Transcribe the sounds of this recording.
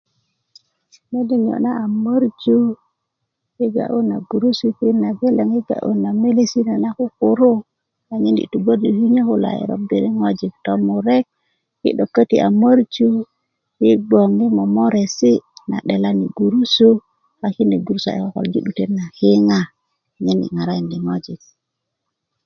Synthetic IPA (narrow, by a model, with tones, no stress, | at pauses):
ne˦di˨ɲ˨o̰˨na˦a˨mə˦ɾd͡ʒu˦ | hi˦ɡa̰˨ʔu˦na˨ɡu˨ɾu˦su˦ki˦na˨be˦le˨ŋi˦ɡa̰˨ʔṵ˦na˨me˦le˦si˦ne˨na˦ku˦ku˨ɾu˦ | a˨ɲi˦nḭ˨tu˨ɡo˦du˨hi˦ɲe˦ku˦la̰˨ḭ˨ɾo̰˦bi˨ɾi˦ŋo˦d͡ʒi˨kto˦mu˨ɾe˦k̚ | hḭ˦ɗo˨kːə˦tḭ˨ʔa̰˨mə˦ɾt͡ʃu˦ | hi˦ɡ͡bo˨ŋi˦mo˨mo˦ɾe˨si˦na̰˨ɗe˨la˦ni˨ɡu˨ɾu˦su˦ | a˨ki˦ni˨ɡu˨ɾu˦sa̰˨ḛ˨ko˦˨ko̰˨ld͡ʒi˦ɗu˨te˦nːa˨hi˦ŋa˦˨ | ɲe˦nḭ˨ŋa˨ɾa˦ji˨ndi˨ŋo˦d͡ʒi˨k̚